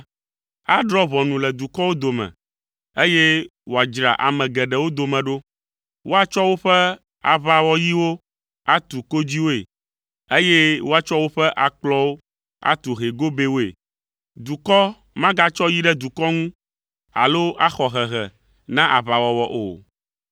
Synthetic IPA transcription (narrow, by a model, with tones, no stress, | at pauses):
a˦ɖɾɔ˦βɔ˨nũ˨lɛ˨d̪u˨kɔ˦wo˦d̪o˨mɛ̰̃˨ | e˦je˦wo˨a˨d͡ʒɾa̰˨ʔa̰˨mɛ̃˨ɡɛ˨ɖɛ˨wo˦d̪o˨mɛ̃˨ɖo˦ | wo˦a˨t͡ʃɔ˦wo˦ɸɛ˦ | a̰˨βa˨wɔ˦ji˦wo˦ | a˦t̪u˨ko˦d͡ʑi˦wo˦ḛ˨ | e˦jɛ˦wo˦a˨t͡ʃɔ˦wo˦ɸɛ˦ʔa˨k͡plɔ˦wo˦ | a̰˦t̪u˨ɦe˨ɡo˦be˦wo˦ḛ˨ | d̪u˨kɔ˦ | mã˦ɡa˦t͡ʃɔ˦ji˦ɖɛ˦d̪u˨kɔ˦ŋũ˦ | a̰˨lo˦a˦xɔ˨ɦɛ˨ɦɛ˨ | nã˦ʔa˨βa˨wɔ˨wɔ˨ʔo̰˨